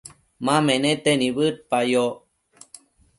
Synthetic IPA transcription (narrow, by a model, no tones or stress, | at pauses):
mãmenẽt̪eniβɨʈ̪̚pajo